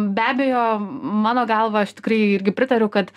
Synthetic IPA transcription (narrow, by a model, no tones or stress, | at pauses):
bʲæːbʲeːjoːmɑːnoːɡɐlˠʋɐɐʃt̪ʲɪ̥kɾɐɪɪɾʲɡʲɪpʲɾʲɪt̪ɐɾʲɛʊkɐt̪